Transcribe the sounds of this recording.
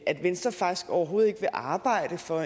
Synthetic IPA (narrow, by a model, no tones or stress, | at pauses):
æd̥ʋensd̥ʁɐfɑ̈ɡ̥i̥sɡ̥ɒʊɐɦo̝ːð̞̩ˠe̝ɡ̥əʋe̝ʔɑ̈ːb̥ɑ̈ɪ̰d̥əfɒ̽